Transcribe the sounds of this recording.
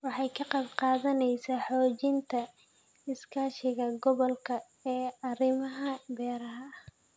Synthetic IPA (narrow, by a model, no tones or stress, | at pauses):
wɑħɑjkʰɐqɑbqɑːðɐnɛjsaːħɔːt͡ʃɪnt̪ʰɐ | ɪskʰaːʃɪɣɐɡɔβɔlkʰɐ | ɛːɐrɪmɐɦɐbɛːɾɐɦɐ